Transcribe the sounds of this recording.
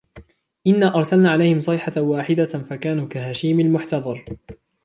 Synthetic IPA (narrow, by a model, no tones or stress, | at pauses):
ʔɪnːaːʔɑɾˤsalnaːʕalajhɪmsˤɑħawaːħɪd̪afakaːnuːkaɦaːʃiːmalmʊħt̪ɑd̪ˤɑɾˤ